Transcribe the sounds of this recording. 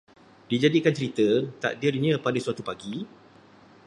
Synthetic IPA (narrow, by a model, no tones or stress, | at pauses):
did͡ʒadikant͡ʃəɾit̪ət̪a̰ʔdirɲãpadasuat̪upaɡi